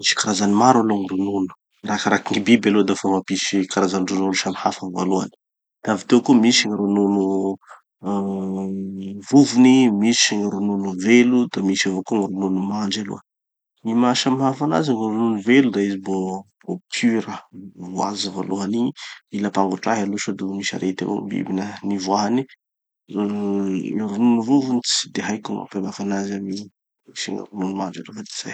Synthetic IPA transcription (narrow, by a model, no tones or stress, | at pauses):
misi̥kaɾazanimaɾaloŋiɾununu̥ | ɾakaɾakiŋibibalod̪afomapisikaɾazaniɾununuʃamihafanva̰lua̰ni̥ | d̪̥avit̪ekumisiŋiɾununu | vuvunimisiŋiɾununuvelud̪amisavokuŋiɾununumaɳd͡ʒalo̰ə | mimaʃamɦafana̰zaŋiɾununuvelud̪aizibo | b̥opʰyɾəvwazəva̰luɦaniilapaŋɡuʈ͡ʂaɦaluʃad̪umiʃa̰ɾʔet̪a̰vo̰mbḭbinənivwaɦani | iɾununuvuvunit͡sd̪eɦajkuma̰pemafanazami | isḭŋḭɾununumand͡ʒelufad̪e̥z̥a̰j